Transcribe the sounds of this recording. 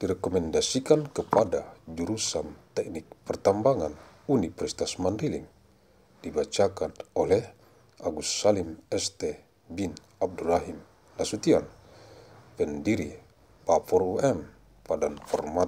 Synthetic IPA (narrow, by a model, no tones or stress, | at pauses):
d̥iɾɛkɔmɛndasikankəpadad͡ʒuɾusamt̪ɛk̚nik̚pɛrt̪ambaŋan | unipɾist̪asmanrilḭm | dibat͡ʃakanɔlɛh | aɡusalimɛst̪ɛ | bin | ab̚dulaɦim | nasut̪ian | pɛndiɾi | pafɔruɛm | padanfɔrma